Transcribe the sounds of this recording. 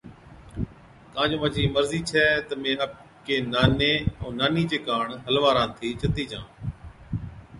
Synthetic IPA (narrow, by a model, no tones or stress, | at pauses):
kãːd͡ʒõːʋət͡ʃiːməɾziːt͡ʃʰɛːt̪əmẽːəp̚ | keːnaːneːõːnaːniːt͡ʃeːkaːɳɦəlʋaːɾãːt̪ʰiːt͡ʃət̪iːd͡ʒã̰ː